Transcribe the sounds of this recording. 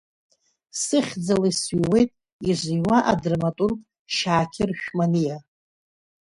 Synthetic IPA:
sɨχʲd͡zalasɥwe̞jtʼ | iʒʷijwaʔa̰drmatʼurkʼ | ʃaːkʲʰɪrʃᶣmanija

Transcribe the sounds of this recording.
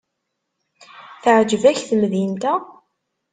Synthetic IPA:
θəʕd͡ʒəvæçθmðint̪æ

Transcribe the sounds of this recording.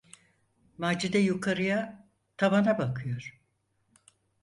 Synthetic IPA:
maːd͡ʒid̪ɛjukʰaɾɯja | t̪ʰamanabakʰɯjoɾ̥

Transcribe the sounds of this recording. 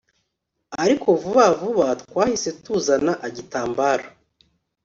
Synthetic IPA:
aɾiko̞vuβavuβatwaːhise̞tuzanaʔaɟitaːmbaːɾa

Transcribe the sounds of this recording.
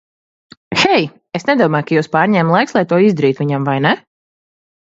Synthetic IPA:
xɛj | esnɛd̪uɔmaːjkajuwspaːɾɲʲɛːmlˠajkslˠajt̪uɔizd̪ɛɾiːt̪viɲamvajnɛ

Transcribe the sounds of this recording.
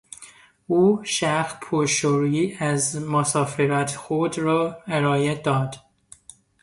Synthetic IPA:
uːʃæxpʰoʃoɾiːæzmosɒːfeɾæt̪ʰxod̪ɾɒːeɾɒːjed̪ɒːd̪̥

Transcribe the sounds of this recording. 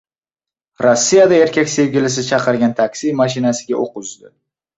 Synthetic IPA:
ɾosːijad̪ae̞ɾkʲʰakʲse̞vɡʲɪlɪs̬ɪt͡ʃʰɑqɨɾɡʲant̪ʰakʲsimaʃ̬ɪnasɪɡʲaoqʊzd̪ɪ

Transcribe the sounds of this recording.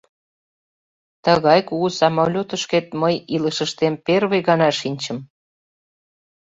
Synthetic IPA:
t̪əɣɑjkuɣusɑmɑlʲot̪əʃket̪məjiləʃə̆ʃt̪emperβejɣɑnɑʃinʲt͡ɕə̆m

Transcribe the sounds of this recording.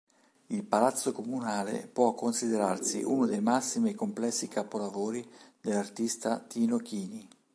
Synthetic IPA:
ilpalat̪sːokomunaːlḛpwɔkːonsid̪eɾarsḭʔṵnod̪ejmasːimiekomplɛsːikapolavoːɾid̪elːart̪ist̪at̪iːnokiːni

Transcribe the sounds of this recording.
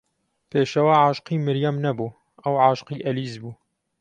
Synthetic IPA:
peːʃɐwaʕaːʃqiːmɪɾjamnɛbuː | ʔɐwʕaːʃqiːʔɛliːzbuː

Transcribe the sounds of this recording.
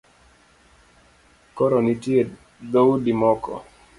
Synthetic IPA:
kɔɾɔnitie | d̪owudimɔkɔ̰

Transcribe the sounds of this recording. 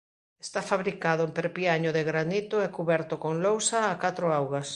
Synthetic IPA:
est̪afaβɾikaðʊempeɾpiaɲʊðeɣɾanit̪ʊɛkuβɛɾt̪okoŋlowsaːkat̪ɾʊawɣas

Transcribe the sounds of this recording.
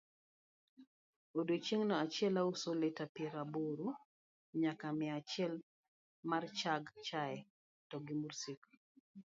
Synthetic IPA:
odot͡ʃeŋnɔat͡ʃɪɛlausoletapjɛɾaboɾu | ɲakamɛat͡ʃɪɛl | mart͡ʃaɡt͡ʃaɛ | tɔɡimursik

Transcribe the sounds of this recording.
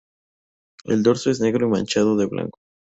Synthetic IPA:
ḛld̪o̞ɾsoe̞zne̞ɣɾo̞imãnt͡ʃað̞oðe̞βla̰ŋko̥

